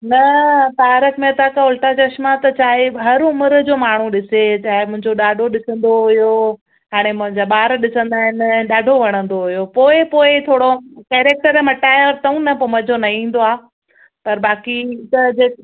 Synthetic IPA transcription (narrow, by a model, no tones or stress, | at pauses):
nɐt̪aːɾək̪mẽt̪aːkaʊlʈɾat͡ɕɐʃmat̪ɐt͡ɕaːɦeɦɐɾʊməɾd͡ʑoːmaːɳ̤ũɗɪset͡ɕaːɦɪmʊ̃ɦɪ̃ɲd͡ʑoɗaːɖʱoɗɪsə̃nd̪oɦʊjo | ɦaːɽ̃emʊ̃ɦɪ̃ɲd͡ʑaɓaːɾɗɪsə̃nd̪aːɦɪnɗaːɖʱoʋɐɽ̃ə̃nd̪oɦʊjopoːɪpoːɪt̪ʰoːɽokɛːɾeːk̚ʈəɾmɐʈaːɪɔɾt̪ɐũnɐpʊmɐd͡ʑʱonɐɦĩːn̆d̪oaː | pɐɾbaːkit̪ɐd͡ʑeː